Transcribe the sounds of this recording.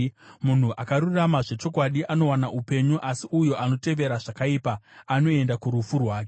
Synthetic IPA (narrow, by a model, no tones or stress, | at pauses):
mun̤uʔakaɾuramaʐe̞t͡ʃo̞kwaɗiʔano̞wanaʔupe̞ɲuʔasiʔujo̞ʔano̞te̞ʋe̞ɾaʐakaipaːno̞e̞ndakuɾufurwaːke